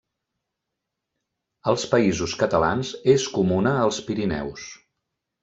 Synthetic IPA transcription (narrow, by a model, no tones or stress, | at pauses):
əlˠspəizuskət̪əla̰nzeskumunəːlˠspiɾinɛ̰ws